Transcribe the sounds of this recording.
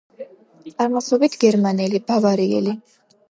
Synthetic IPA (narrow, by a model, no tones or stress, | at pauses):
t̪sʼaɾmasɔbit̪ʰɡɛɾmanɛlib̥avaɾiɛ̰li